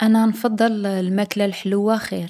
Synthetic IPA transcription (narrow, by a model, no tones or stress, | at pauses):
ʔænænfɑd̪ˤːəllmæklalħləwːaxiɾ